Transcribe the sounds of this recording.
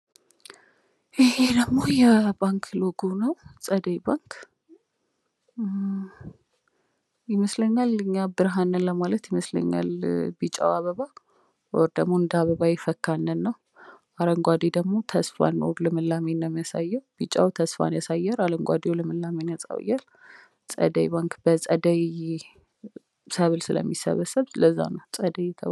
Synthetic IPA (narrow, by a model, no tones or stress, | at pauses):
ʔihed̪əɡmo̞jɛbaŋkʰloɡunəwsʼəd̪əjbaŋkʰ | jɛməsləɲːalɨɲːabɨɾɦanːɨnləmalət̪jɛməslə̰ɲːa̰lbit͡ʃʼa̰waβəβa | wɔɾd̪əɡmo̞ɨnd̪əaβəβajɛfəkːanːɨnːəw | aɾəŋɡʷad̪ed̪əɡmo̞t̪ʰəsfa̰no̰ɡlɨmɨlːamenəmjasajːəwbit͡ʃʼa̰wt̪ʰəsfa̰njasajːɛɾaləŋɡʷad̪eolɨmɨlːamenət͡sʼa̰w̰jal | t͡sʼə̰d̪əjbaŋkbət͡sʼəd̪əj | səβɨlsɨlə̰mːisə̰βəsəβləzːa̰nəwsʼəd̪əjt̪ʰəβ